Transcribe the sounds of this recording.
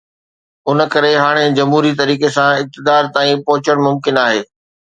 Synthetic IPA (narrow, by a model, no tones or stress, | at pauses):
ʊn̆kɐɾeɦaːɽ̃ed͡ʑɐmɦuːɾit̪̬ɐɾiːkesãɪk̚t̪ɪd̪aːɾt̪aːĩpɐɦʊt͡ɕəɽ̃mʊmkɪnaːɦeː